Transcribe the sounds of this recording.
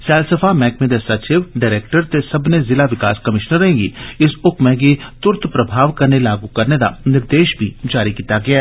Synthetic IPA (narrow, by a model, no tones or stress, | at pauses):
sɛːlsəfamɛːkmẽd̪esat͡ʃɪʋɖaːɾeːk̚ʈəɾt̪esɐbnezɪlaʋɪkaːskɐmɪʃnəɾɦɛ̃ːɡḭɪsʊkmẽɡit̪ʊɾt̪pɾɐbʱaːʋkɐɾnelaːɡukɐɾned̪a̰nɪɾd̪eːʃbʱid͡ʒaːɾikiːt̪aɡɐjaː